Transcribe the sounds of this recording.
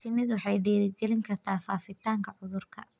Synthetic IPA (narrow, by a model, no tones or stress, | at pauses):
t̪ʰɪmɪðwɑħɑjd̪ɛːɾɪɡɛlɪŋkʰɐrt̪ʰaːfaːfɪt̪ʰaːŋkʰɐʕʊðʊrkʰɐ̰